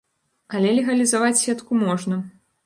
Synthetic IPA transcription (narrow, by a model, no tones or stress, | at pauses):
ɐlʲɛlʲɛɣɐlʲizavat͡sʲsʲɛt̪kumɔʐnɐ